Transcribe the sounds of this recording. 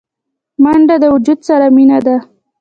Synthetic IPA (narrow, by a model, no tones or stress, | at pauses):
maɳɖad̪əwʊd͡ʒud̪saɾaminad̪a